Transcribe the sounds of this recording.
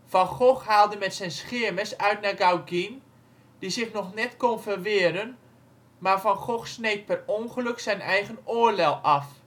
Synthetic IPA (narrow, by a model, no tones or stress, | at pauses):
fɔnxoxhaːlˠdəmɛtsɛjnsχɪəməsœɥtnaɡawɡin | d̥isɪxnɔxnɛtkonfərʋɪəɾən | maːrfɔnxoxsnejt̚pɛronχəlɵksɛjnɛjɣənoərlɛlˠɑf